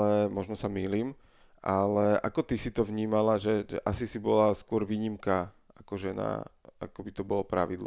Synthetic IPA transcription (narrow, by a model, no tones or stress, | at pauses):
ɛmɔʒnɔsamiːliːm | ʔalɛʔa̰kɔt̪isit̪ɔʋɲiːmalaʒɛʒɛ̰ʔasisibɔlaskʊɔɾʋiːɲimka | akɔʒɛna̰akɔbit̪ɔbɔlɔpɾa̰ʋid̪lˠ